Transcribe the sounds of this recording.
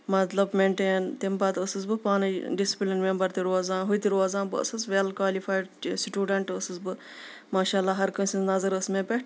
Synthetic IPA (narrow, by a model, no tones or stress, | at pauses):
mɐt̪lɐbmeːɳʈeːnt̪embaːt̪ɐsɨzbɨpaːnɨɖisi̥plinmembɐɾt̪iɾuaːzaːnɦujt̪iɾaːzãːnbɨɐ̰sɨsʋelkʋaːlifaːjɖsiʈuːɖɐɳʈəsɨzbɨ | maːʃaːlːaːɦɐɾkənsʲinnɐzɐɾəsmẽːpʲeʈ